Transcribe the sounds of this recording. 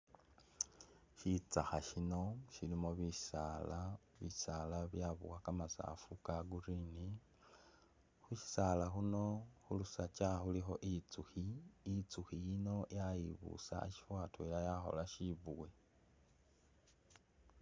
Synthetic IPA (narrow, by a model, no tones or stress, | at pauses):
ʃit͡saxaʃino̞ʃilimoβiʃi̥sala | βiisalaβjaβṵwakamasa̰fukaɡurini | xuʃi̥salaxuno̞xulusat͡ʃaxulixo̞ʔit͡suxiit͡suxijino̞jajiβṵsa̰ḛʃi̥fwaːtoilajaxo̞̰laʃiβuwe